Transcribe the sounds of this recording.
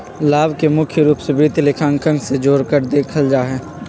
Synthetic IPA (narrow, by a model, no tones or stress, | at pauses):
laːbkemʊkʰjəɾuːpsbiːt̪lɪkʰãŋkʰə̃ŋɡsed͡ʒoːɾkəɾd̪eːkʰəld͡ʒaːɦɛː